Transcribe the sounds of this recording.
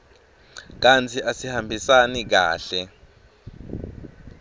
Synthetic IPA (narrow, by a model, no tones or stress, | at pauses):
k̬ant͡sʰiʔasihambʱisanik̬a̰ːɬɛ